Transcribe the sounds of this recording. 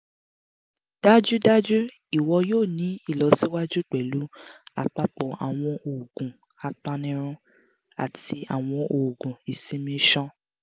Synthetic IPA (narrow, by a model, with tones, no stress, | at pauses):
d̥a˦d͡ʒu˦da˦d͡ʒu˦ | i˦˨wɔ˧joː˦˨nĩ˨˦i˦˨lɔ˨˧si˦wa˦d͡ʒu˦k͡pɛ˨lu˨˦a̰˨k͡pa˧k͡pɔ˨a̰˨w̃ɔ̃˧ʔo˨ɡũ˨ | a˨k͡pa˧nĩ˧˦ɾ̃ũ˦ | a̰˨tʰi˧a˨w̃ɔ̃˧ʔo˨ɡũ˨i˨sĩ˨˦mĩ˧˦ʃɔ̃˦